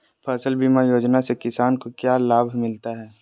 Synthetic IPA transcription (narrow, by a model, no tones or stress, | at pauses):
pʰɛsəlbimajoːd͡ʒnasekɪsaːnkokjaːlaːbʱmɪlt̪aɦɛː